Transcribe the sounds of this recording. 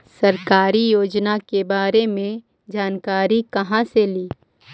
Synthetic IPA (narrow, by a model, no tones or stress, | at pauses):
sɐɾkaːɾijoːd͡ʒnakebaːɾemẽ | d͡ʒaːnkaːɾikɐɦãseliː